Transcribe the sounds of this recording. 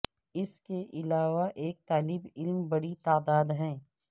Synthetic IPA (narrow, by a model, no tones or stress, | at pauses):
ɪskeʔɪlaːʋaʔeːk̚t̪aːlɪbɪlmbɐɽit̪aːd̪aːd̪ɦɛ̃ː